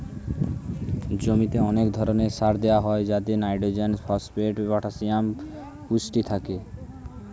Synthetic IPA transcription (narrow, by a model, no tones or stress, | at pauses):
d͡ʑomit̪eɔnekd̪ʱɔɾonesaɾd̪ewaɦɔed͡ʒat̪enajɖod͡ʑenfʰɔspeʈbɔʈʰasiam | kusʈit̪ʰake